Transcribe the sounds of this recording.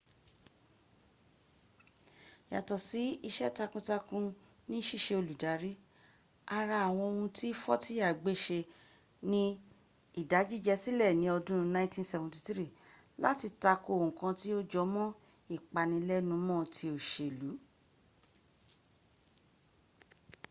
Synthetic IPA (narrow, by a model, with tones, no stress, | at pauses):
ja˨tɔ˨si˨˦i˧ʃɛ˦ta˧kũ˧ta˧kũ˧ | nĩ˦ʃi˦˨ʃe˧o˧lu˨da˨˦ɾi˦ | a˧ɾa˧a˨w̃ɔ̃˧o˧hũ˧tʰi˦fɔ˦ti˦a˦˨ɡ͡be˦˨ʃe˧ | nĩ˦ | i˦˨da˨˦d͡ʒi˦˨d͡ʒɛ˧si˦lɛ˦˨nĩ˨˦ɔ˧dũ˦ũ˧nã˧˦ĩ˦tĩ˦n˦sɛ˧vũ˨ti˧tɾi˦˨ | la̰˦ti˧ta˧ko˧˨ũ˨kã˧ti˦o˦d͡ʒɔ˨˦mɔ̃˦ | i˦˨k͡pa˧nĩ˧˦lɛ˦nũ˧˦mɔ̃˦˨tʰi˧o˨ʃe˨lu˨˦